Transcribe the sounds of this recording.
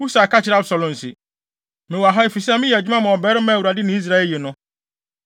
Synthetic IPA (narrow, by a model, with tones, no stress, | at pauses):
u˦sa˨kʰa˦t͡ɕʰɪ˨ɾɛ˦a˦bsa˨lʊ̃˨n̩˨sɪ̰˨ | mɪ̃˨wa˨ɦa˦e˨fi˨sɛ˦mɪ̃˦jɛ˨d͡ʑᶣi˦mã˦mã˨ɔ˨bɛː˦ɾɪ˦mã˦˨u˨ɾa˨dɪ˦nɪ̃˦i˦s̬ɾa˦ɛ˦ljɛ˨nʊ̃˦